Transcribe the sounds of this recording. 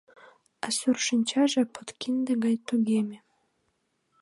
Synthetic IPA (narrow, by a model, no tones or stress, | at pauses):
asyrʃinʲt͡ɕɑʒĕpʰot̪kind̪eɡɑjt̪uɡemʲe